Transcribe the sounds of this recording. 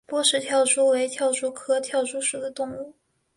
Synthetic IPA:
pwɔ˥ʂɻ̩˥˩t̪ʰjɑ˥˩ʊʈ͡ʂʰu˥we˧˥ɪt̪ʰjɑ˥˩ʊʈ͡ʂʰu˥kʰɤ˥t̪ʰjɑ˥˩ʊʈ͡ʂu˥ʂu˨˩d̪ə˦t̪ʊ˥˧ŋu˥˩

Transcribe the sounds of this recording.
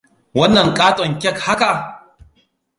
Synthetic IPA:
wɐ˦nːɐ˨ŋkʼaː˦tʼɔ˨ŋkʲɛ˦˨kha˦ka˨ʔ

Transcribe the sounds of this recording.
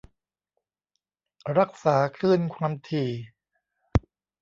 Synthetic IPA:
ɾa˦˥k̚saː˩˦kʰlɯː˥˩nkʰaː˧mt̪ʰiː˨˩

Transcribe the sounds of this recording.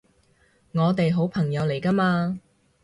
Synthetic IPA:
ŋɔː˨˧t̪e˨jɦo˨˥wpʰɐ˨˩ŋjɐ˨˧wle˨˩jkɐː˥maː˧

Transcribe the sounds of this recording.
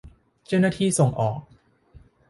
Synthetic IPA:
t͡ɕa˥˩wna˥˩t̪ʰiː˥˩so˨˩ŋʔɔː˨˩k̚

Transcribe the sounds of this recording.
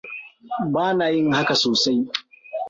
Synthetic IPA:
baː˦naː˨jɪ˦ŋha˦ka˨soː˨sa˦j

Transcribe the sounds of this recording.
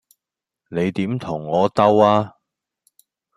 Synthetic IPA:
ne˨˧jt̪iː˨˥mt̪ʰʊ˨˩ŋːɔː˨˧t̪ɐ˥waː˥

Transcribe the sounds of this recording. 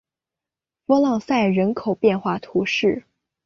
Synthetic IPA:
pɔ˥lɑ˥˧ŋsa˥˩ɪɻə˧˥nkʰo˨˩ʊpjɛ˥˧nxwa˥˩t̪ʰu˧˥ʂɻ̩˥˩

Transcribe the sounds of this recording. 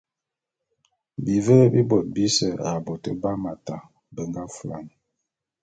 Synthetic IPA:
bi˨və˦bi˦bɔ˨t̚bi˦sə˨ɾa˨bɔ˨tə˦ba˦ma˨ta˨ | bə˨ŋɡa˦fu˨a̰˨n˨

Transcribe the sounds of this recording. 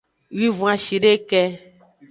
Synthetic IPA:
wi˦vũ˨˦a˨ʃi˨ɖe˦kɛ˦

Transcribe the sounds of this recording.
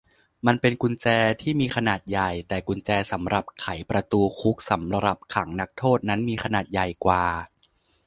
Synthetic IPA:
ma˧npe˧nku˧nt͡ɕɛː˧t̪ʰiː˥˩miː˧kʰa˧naː˨˩t̪̚ja˨˩jt̪ɛː˨˩ku˧nt͡ɕɛː˧sa˩˦mɾa˨˩p̚kʰa˩˦jpɾa˧t̪uː˧kʰu˦˥k̚sa˩˦mɾa˧ɾa˨˩p̚kʰa˩˦ŋna˦˥k̚t̪ʰoː˥˩t̪̚na˦˥nmiː˧kʰa˧naː˨˩t̪̚ja˨˩jkwaː˨˩

